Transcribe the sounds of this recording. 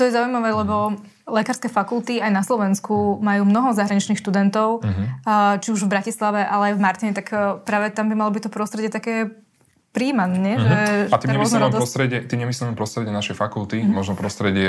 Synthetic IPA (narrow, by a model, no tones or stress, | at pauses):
t̪ɔjɛzaːujmaʋɛːlɛbɔ | lɛkaːɾskɛːfakult̪iajnaslɔʋɛnskumajuːmnɔɦɔzaɦɾaɲit͡ʃniːxʃt̪ud̪ɛnt̪ɔʊ | t͡ʃiuʒvbɾacislaʋɛʔalɛajvmaɾt̪iɲɛt̪akpɾaːʋɛt̪ambimalɔbic̚t̪ɔpɾɔst̪ɾɛɟɪɛt̪akɛː | pɾiːmanɲɛʒɛat̪imaɾɲɛɔznɔɛd̪ɾɔst̪ɾɛɟɛt̪iːmɲɛmisliɛmpɾɔst̪ɾɛɟɛnaʃɛjfakulˠt̪imɔʒnɔpɾɔst̪ɾɛɟɪɛ